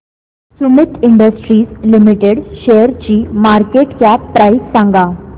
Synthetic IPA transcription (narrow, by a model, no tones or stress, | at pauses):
sumit̪ʰiɳɖəsʈɾiːslimiʈeɽɕejəɾt͡ɕiːmaɾkeʈkjapɾajssãŋɡa